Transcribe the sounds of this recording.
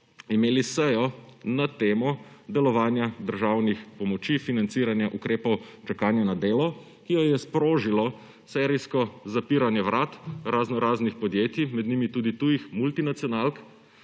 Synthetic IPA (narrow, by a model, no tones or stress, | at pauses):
imeːlisɛjɔnat̪eːmɔd̪ɛlɔʋaːnjad̪əɾʒaːwnixpɔmɔt͡ʃifinant̪siːɾanjaʔukɾeːpɔwt͡ʃakaːnjanad̪eːlɔ | kijɔjɛspɾoːʒilɔ | sɛɾijskɔzapiːɾanjɛʋɾaːt̪ɾaznɔɾaːznixpɔd̪jeːt̪imɛd̪nimit̪uːd̪it̪ujixmult̪inat̪sjɔnalk